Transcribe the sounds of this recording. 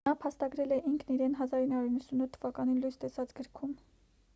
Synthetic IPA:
ɑpʰɑst̪ɑɡɾɛlɛʔiŋkʰniɾɛnɦɑzɑɾinːɑɾuɾinːəsunut̪ʰːəvɑkɑnilujst̪ɛsɑt͡sɡəɾkʰum

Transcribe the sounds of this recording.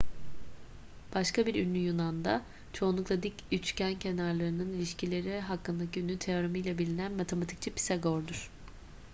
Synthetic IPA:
b̥aʃkʰabiɾynːʲyjunand̪a | t͡ʃʰo̞unˠuklˠad̪icyt͡ʃcæncʰe̞naɾlˠaɾɯnɯnilʲiʃcilʲe̞ɾɛɦakːɯnd̪aciynːyt̪ʰe̞oɾamɯjlˠabilʲinænmat̪ʰe̞mat̪ʰi̥c̚t͡ʃʰipʰi̥saɡoɾd̪uɾ̥

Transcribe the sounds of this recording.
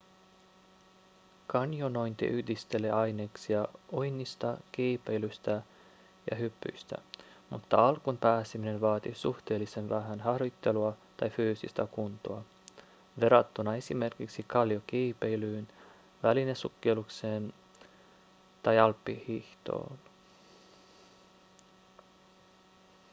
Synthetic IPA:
kɑnjono̞jnt̪ḭʔyhdist̪e̞leɑjne̞ːksiɑojnːist̪ɑk̟iːpejlyst̪æ | jɑ̰ɦypːy̰jst̪æ̰ | mut̪ːɑɑlkunpæːsimine̞nʋɑːt̪isuht̪e̞ːlːise̞nʋæɦænɦɑhrjut̪ːe̞luɑt̪ɑjfyːsḭst̪ækunt̪oɑ | ʋe̞ɾɑt̪ːunɑe̞sime̞rkiksikɑljokiːpejlyːn | ʋælinesukːelukse̞ːn | t̪ɑjɑlpːihiht̪o̞̰ːn

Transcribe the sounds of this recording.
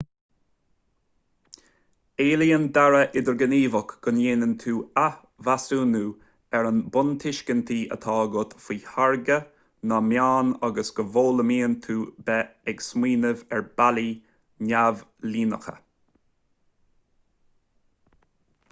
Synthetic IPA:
eːliːənd̪aɹəʔɪd̪əɹɡəniːvəkɡ̥ʊnjeːnənt̪ʰuːa | vasuːnuː | ɛɾənbʊnt̪ʰɪʃkənt̪ʰiːʔə̰t̪ʰɑːɡʊt̪fiːhaɹɡə | namjaːnaɡəsɡ̥əvoːləmiːənt̪ʰuːbɛɛɡsmiːnəvɛɹb̥ali | nʲavliːnə̰xə̰

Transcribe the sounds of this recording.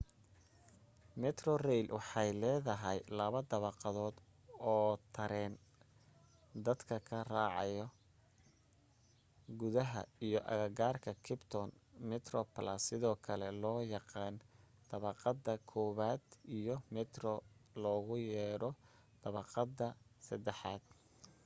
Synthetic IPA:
mɛt̪rɔrɛjlwɑħɑjlɛːðɐɦɛjlɐβɐd̪ɐβɑqɑðɔːd̪ | ɔːt̪ʰɐɾɛːn | d̪ɐd̪kʰɐkʰɐraːʕɑ̰jɔ | ɡʊðɐɦɐ̰ijɔʔɐ̰ɣɐɡaːrkʰɐkʰɪbt̪ʰɔnmɪt̪rɔplasɪðɔːkʰɐlɛlɔːjɑqɑːn | d̪̥ɐβɑqɑd̪ɐkʰɔːβaːd̪ijɔmɛt̪rɔlɔːɣʊjɛːɾɔ | d̪̥ɐβɑqɑd̪ɐsɐd̪ɛħɑ̰ːd̪̥̚

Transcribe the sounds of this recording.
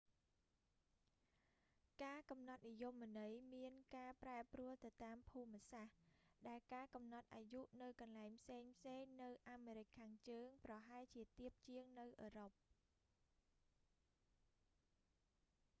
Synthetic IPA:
kaːkɑmnɑt̪̚nijomːə̆nɨjmiənkaːpraɛpruəlt̪ɨwt̪aːmpʰuːmə̆sahɗaɛlkaːkɑmnɑt̪̚ʔaːjuʔnɨwkɑnlaɛŋpʰseːŋpʰseːŋnɨwʔaːmeːɾɨc̚kʰːaːŋt͡ɕəːŋprɑɦaɛlt͡ɕiət̪iəp̚t͡ɕiəŋnɨwʔəːɾop̚

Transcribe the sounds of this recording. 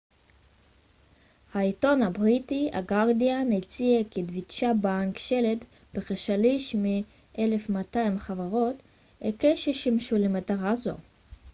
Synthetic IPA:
haito̞nhabʁitia̰ɡaʁdianet͡sieked̪vitʃabankʃelet | b̥eχaʃaliʃmi | ʔele̞fmataimχavaʁo̞t | ekeʃeʃimʃulemataʁazo̞̰

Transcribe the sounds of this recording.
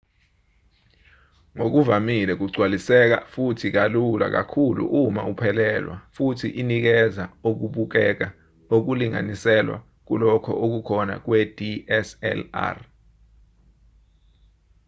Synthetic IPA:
ŋok̬uvamilɛk̬uɡ͡ǀʱwalisɛk̬a̰futʰik̬alula̰k̬akʰulṵʔuma̰upʰɛlɛlwa̰futʰḭʔinik̬ɛzaok̬uɓuk̬ɛk̬a | ok̬uliŋa̰nisɛlwa̰ | k̬ulɔkʰɔ̰ʔok̬ukʰɔna̰k̬wɛd̥iɛsɛ̰la̰r

